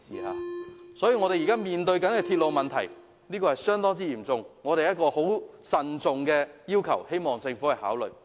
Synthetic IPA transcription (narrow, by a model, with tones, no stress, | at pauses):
sḭː˨ha̰ː˨˧sɔː˨˥jiː˧ŋɔ˨˧ɾe˨jːkaː˥miː˨nt̪ɵ˧ɥkɐ˨˥nkɛː˧t̪ʰiː˧t̚lo˨wmɐ˨nt̪ʰɐ̰˨˩j | niː˥kɔː˧hɐ˨jsœː˥ŋt̪ɔː˥t͡siː˥jiː˨˩mt͡sʊ˨ŋŋɔː˨˧t̪e˨jɐ˥t̚kɔː˧ho˨˥wsɐ˨nt͡sʊ˨ŋkɛː˧jiː˥wkʰɐ̰˨˩whe˥jmɔː˨ŋt͡sɪ˧ŋfu˨˥hɐ˨jha̰ː˨˥wlɵ̰˨˩ɥ